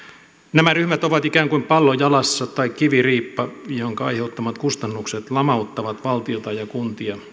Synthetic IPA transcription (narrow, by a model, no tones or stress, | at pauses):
næmæryhmæt̪oʋɑt̪ikæːŋkuimpɑlːojɑlɑsːɑt̪ɑikkiʋiriːpːɑjoŋkɑɑ̰iheut̪ːɑmɑt̪kust̪ɑnːukset̪lɑmɑut̪ːɑʋɑt̪ʋɑlt̪iot̪ɑjɑkunt̪iɑ